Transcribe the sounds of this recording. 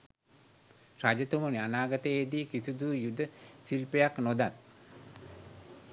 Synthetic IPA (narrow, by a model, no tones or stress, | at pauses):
ɾad͡ʒət̪umunianaːɡat̪əed̪iːkisud̪uːjud̪əsilpejaknod̪at̪